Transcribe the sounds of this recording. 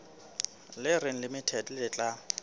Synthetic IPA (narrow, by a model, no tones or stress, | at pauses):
lɪrɪŋ̩lɪmɪtʰɛtʼlɪt͡ɬʼa